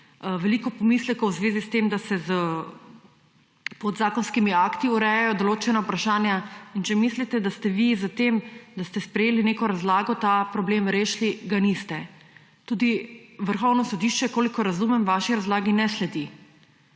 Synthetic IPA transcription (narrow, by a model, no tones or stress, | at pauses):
ʋɛlikɔpɔmislɛkowzʋeːzist̪emd̪asɛzə | pɔd̪zaːkɔnskimiaːkt̪iuɾɛjajɔd̪oloːt͡ʃɛnaupɾaʃaːnjaint͡ʃɛmislit̪ɛd̪ast̪ɛʋizət̪emd̪ast̪ɛspɾɛjeːlineːkɔɾazlaːɡɔt̪aːpɾɔbleːmɾeːʃliɡanist̪ɛ | t̪uːd̪iʋəɾxɔwnɔsɔd̪iʃt͡ʃɛkoːlikɔɾazumɛmʋaːʃiɾazlaːɡinɛslɛd̪i